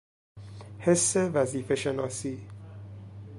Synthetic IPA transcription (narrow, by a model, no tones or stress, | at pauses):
he̞sːevæziːfe̞ʃenɒːsiː